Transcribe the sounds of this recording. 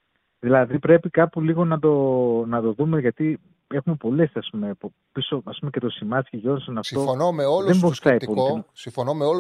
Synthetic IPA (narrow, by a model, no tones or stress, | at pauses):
ðilɐðipɾe̞pikɐpuliɣo̞nɐd̪o̞nɐt̪o̞ðume̞ʝɐt̪i | e̞xume̞po̞le̞sɐspume̞po | piso̞ɐspume̞ce̞t̪o̞simɐsciʝo̞nsɐnɐft̪onomeoðeboɾsθɐitpolisifonomeo